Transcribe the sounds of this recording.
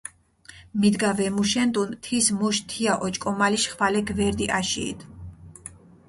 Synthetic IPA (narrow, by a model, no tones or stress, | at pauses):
mid̪ɡavɛmuʃɛnt̪ʼunt̪ʰismuʃt̪ʰiaʔɔt͡ʃʼkʼɔmaliʃχvalɛɡvɛɾd̪iʔaʃḭːd̪ʰ